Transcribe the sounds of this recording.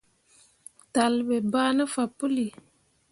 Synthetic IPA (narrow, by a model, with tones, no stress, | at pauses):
ta˨lbɛ˨baː˦nə˦fa˨pːu˦li˨